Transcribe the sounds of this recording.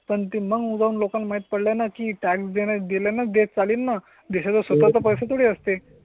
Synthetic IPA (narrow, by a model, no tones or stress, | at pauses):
pəɳt̪iməɡud͡zaunlokãnlmaɦit̪̚pəɽlanakiːʈɛksd̪eɽ̃jad̪ilanad̪et͡saliːnːa | d̪iɕat͡s̪əsʋət̪at͡s̪əpəjsət̪ʰoɽiəst̪e